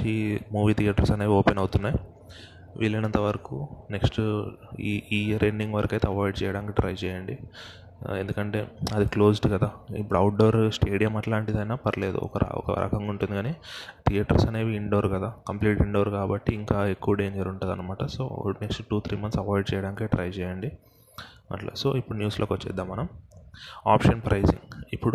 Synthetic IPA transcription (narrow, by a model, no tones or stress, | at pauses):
imuːʋiːt̪ʰijaːʈɐɾsɐneːʋiɔːpenɐwut̪unːaːj | ʋʔḭːlːɐnɐnt̪ɐʋɐɾɐkune̞ksʈiiːɾeɳɖiŋɡʋɐɾɐkɐjt̪ɐɐʋaːjɖ̚t͡ʃɛːjɐɽaːnkiɖɾɐjt͡ʃɛːjɐɳɖi | e̞nd̪ukɐɳʈe̞̰ːɐd̪iklo̞ːsʈkɐd̪aːipːuɽɐwuʈ̚ɖoːɾsʈeːɽijɐmɐʈlaːɳʈid̪aːjnaːpɐɾɐleːd̪ṵɔ̰kɐ̰ɔ̰kɐ̰ɾɐ̰kʰɐŋɡuɳʈund̪iɡaːniːʈ̪ijɐʈɐ̰ɾsɐneːʋiiɳɖoːɾkɐd̪aːkɐmpliːʈiɳɖoːɾkaːbɐʈːiːŋkaːe̞kːuʋɐɖeːɲd͡ʒɐɾuɳʈuːd̪ɐ̰nːɐmaːʈɐso̰ːneksʈʈuːt̪ʰɾiːmɐnt̪sɐʋaːjɖ̚t͡ʃɛːjɐɽaːnikeʈɾɐjt͡ʃɛːjɐɳɖi | mɐ̰ʈlɐ̰so̰ːipːuɽunjuːsloːkʋɐt͡ʃːɛ̰ːd̪ːaːmːɐnɐm | aːpʃɐnpɾɐjsḭŋɡipːuɽu